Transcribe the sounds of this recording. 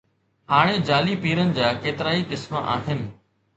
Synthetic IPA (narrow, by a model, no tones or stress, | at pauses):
ɦaːɽ̃ẽd͡ʑaːliːpiːɾənɪ̆d͡ʑaːkeːt̪ɪɾaːikɪsmaʔa̰ːɦɪnɪ̆